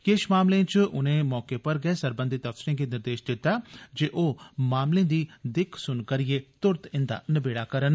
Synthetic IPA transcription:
keːʃmaːmlẽːt͡ʃʔʊnẽːmɔːkeːpəɾɡɛɛːsəɾbə̃nd̪ɪt̪əfsɪɾẽːɡeːnɪɾd̪eːʃd̪ɪt̪ːaːd͡ʒeːʔoːmaːmlẽːd̪iːd̪ɪkʰsʊnkəɾɪeːt̪ʊɾt̪ɪnd̪a̰ːnəbeːɽaːkəɾən

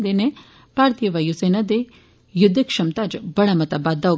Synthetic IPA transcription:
d̪ene | paːɾt̪ijɐʋɐjusenad̪e | jʊd̪ʱːikʂɐmt̪ad͡ʒbɐɽamɐt̪ɐbad̪ːa

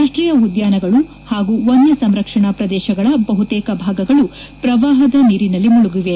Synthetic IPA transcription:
aːʂʈɾiːjɐud̪jaːnɐɡɐɭu | haːɡuonːɐsɐmɾɐkʂɐɳaːpɾɐd̪ɛːʃɐɡɐɭɐbɐɦut̪ɛːkɐbʱaːɡɐɡɐɭu | pɾɐʋaːɦɐd̪ɐniːɾinɐlːimuɭuɡiʋe

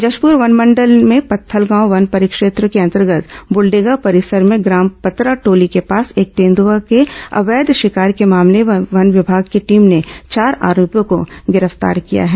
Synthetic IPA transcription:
d͡ʒɐʃpuɾʋɐnmə̃ɳɖəlmẽpɐt̪ʰːəlɡãːoʋɐnpɐɾɪkʃeːt̪ɾəkeɐ̃nt̪əɾɡət̪bʊlɖeːɡapɐɾɪsəɾmẽɡɾaːmpɐt̪ɾaʈoːlikepaːseːk̚t̪eːnd̪uʋakeɐ̰ʋeːd̪ʃɪkaːɾkemaːmleʋɐnʋɪbʱaːɡkeʈiːmnet͡ʃaːɾa̰ːɾoːpjõkoɡɪɾəft̪a̰ːɾkija̰ɦɛː

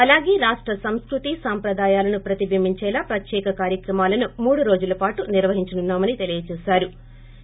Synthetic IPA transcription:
ɐlaːɡeːɾaːʂʈɾɐsɐmskɾut̪isaːmpɾɐd̪aːjaːlɐnupɾɐt̪ibʱimiɲt͡ʃɛːlaːpɾɐt̪jɛːkɐkaːɾjɐkɾɐmaːlɐnumuːɽuɾo̞ːd͡ʒulɐpaːʈuniɾʋɐɦiɲt͡ʃɐnunːaːmɐnit̪e̞lijɐt͡ʃɛːsaːɾu

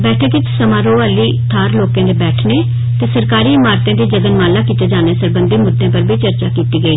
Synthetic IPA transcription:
bɛːʈʰeːk̪ɪt̪səmãːɾoːaːliːt̪ʰaːɾloːkãːd̪eːbɛːʈʰneː | t̪eːsəɾkaːɾiːmaːɾt̪ãːd̪iːd͡ʒəɡənmaːlːaːkiːt̪eːd͡ʒaːneːsəɾbənd̪eːmʊd̪ʱẽːpəɾbiːt͡ʃəɾt͡ʃaːkiːt̪iːɡəiː

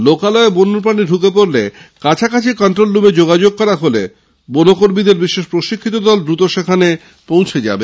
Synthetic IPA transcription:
lokalɔebonoɾp̬ɾaniɖʱukep̬oɾlekat͡ɕʰakat͡ɕʰikɔnʈɾolːubed͡ʑoɡad͡ʑoɡ̚kɔɾaɦole | bonokoɾmid̪eɾbiʃeʃpɾoʃikʰːit̪̬od̪ɔld̪ɾut̪oʃekʰane | põw̃t͡ɕʰed͡ʑa̰be

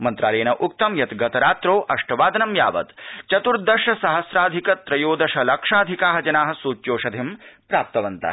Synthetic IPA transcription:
mɐnt̪ɾaːɾeːnɐʔuk̚t̪ɐmjɐt̪ɡɐt̪ɐɾaːt̪ɾoːʔɐʂʈɐʋaːd̪ɐnɐmja̰ːʋɐ̰t̪t͡ʃɐt̪uɾd̪ɐʃɐsɐɦɐsɾaːd̪ʱikɐt̪ɾɐjoːd̪ɐʃɐlɐkʂaːd̪ʱikaːɦɐd͡ʒɐnaːɦɐ̆suːt͡ʃjoːʃɐd̪ʱimpɾaːp̚t̪ɐʋɐnt̪ɐ̰

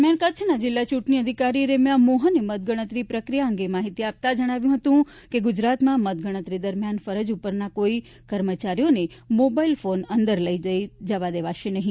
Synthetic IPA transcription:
mjankət͡ʃʰnad͡ʒɪlːat͡ʃũʈniəd̪ʱikaɾiɾemjãmoɦənemət̪̚ɡəɽ̃ət̪ɾipɾəkɾijaəŋɡemaɦit̪iap̚t̪ad͡ʒəɽ̃aʋjũɦət̪ũ | keɡʊd͡ʒɾat̪mãmət̪̚ɡəɽ̃ət̪ɾid̪əɾmjanfəɾəd͡ʒupəɾnakoi | kəɾmət͡ʃaɾijonemobailfonənd̪əɾləid͡ʒəjd͡ʒəʋad̪eʋaʃenəɦĩ

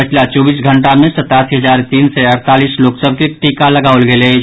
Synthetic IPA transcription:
pət͡ʃʰlat͡ʃɔːbiːsɡʱə̃ɳʈamẽsɐt̪aːsiɦɐzaːɾt̪iːnseɐɾt̪aːliːsloːksəb̚ʱkeʈiːkalɐɡaːlɡele

